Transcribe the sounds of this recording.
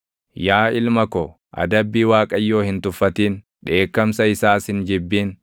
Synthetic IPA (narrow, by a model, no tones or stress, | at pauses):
jaːɪlmɐko | ʔɐ̰d̪ɐbːiːwaːkʼɐjːo̞ːhɪnt̪ʊfːɐt̪iːn | ᶑe̞ːkːɐmsɐɪsaːsɪnd͡ʒɪbːiːn